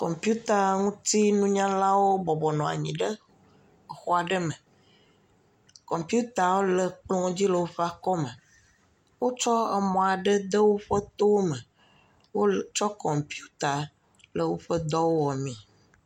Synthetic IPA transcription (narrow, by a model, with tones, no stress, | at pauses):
kɔ˨mpi˦u˦t̪a˨ŋũ˦t̪i˦nũ˦ɲã˦la˦wo˦bɔ˨bɔ˨nɔ̃˨a̰˨ɲĩ˨ɖə˦˨ | xɔ˦a˨ɖə˦mə̃˨ | kɔ˨mpju˦t̪a˨wo˦lə˨k͡plɔ̃˦o˦d͡ʑi˦lə˨wo˦ɸe˦a˨kɔ˦mə˨ | wo˦t͡ʃɔ˦ɛ̰˨mɔ̃˨a˨ɖə˦d̪ə˦wo˦ɸə˦t̪o˦wmə˨ | wo˦t͡ʃɔ˦kɔ˨mpi˦u˦t̪a˨ | lə˨wo˦ɸə˦d̪ɔ˦wo˦wɔ˨mĩ˨